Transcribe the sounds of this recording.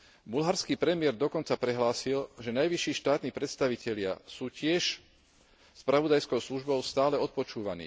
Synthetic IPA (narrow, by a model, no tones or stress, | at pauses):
bulɦaɾskiːpɾɛmɪɛɾd̪ɔkɔnt͡sapɾɛɦlaːsilʒɛnajʋiʃiːʃt̪aːt̪niːpɾɛt̪st̪aʋicɛʎɪa̰suːcɪɛʃ | spɾaʋɔd̪ajskɔʊsluʒbɔʊst̪aːlɛɔt̪̚pɔt͡ʃuːʋanḭː